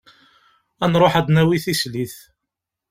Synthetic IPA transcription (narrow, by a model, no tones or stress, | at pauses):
ænɾˤoħæd̪næwiθisliθ